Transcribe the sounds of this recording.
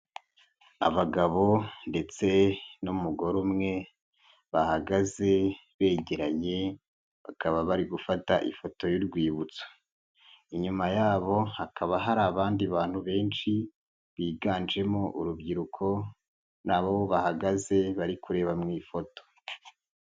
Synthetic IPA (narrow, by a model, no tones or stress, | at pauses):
a̰βaɡaβo̞nde̞t͡se̞numuɡo̞ɾumŋe̞ | βahaɡaze̞ | βe̞ːɟeɾaɲe̞ | βakʰaβaβaɾiɡufata̰ʔḭfo̞to̞juɾɡwiːβut͡so̥ | iɲumajaːβo̞hakʰaβaɦaɾaːβaːndiβaːn̥huβe̞ːnʃi | βiːɡaːnd͡ʒe̞moʔuɾubɡiɾukʰo̞ | naβoβoβahaɡaze̞βaɾikʰuɾe̞ːβamŋiːfo̞to̥